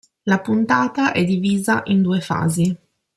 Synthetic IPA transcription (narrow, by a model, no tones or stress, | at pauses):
lapunt̪aːt̪aʔɛd̪ːiviːzaʔind̪uːefa̰ːzi